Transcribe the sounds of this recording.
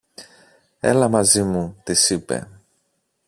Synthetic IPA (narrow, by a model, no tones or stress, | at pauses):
e̞̰lɐmɐzimut̪isipḛ